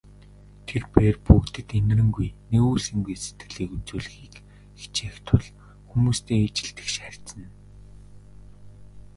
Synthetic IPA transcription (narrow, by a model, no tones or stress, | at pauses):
t̪ʰerpeːrpukt̪ɘ̆t̪en̆rɘ̆ŋɡujneɣuːsĭŋɡujse̥t̪ɡɘ̆ɮiːkut͡suːɮɘ̆xiːk | e̥t͡ɕeːxt̪ʰʊɮ | xumuːst̪ʰeːet͡ɕɪ̆ɬt̪ɘ̥̆kʃær̥ʲt̪sə̆n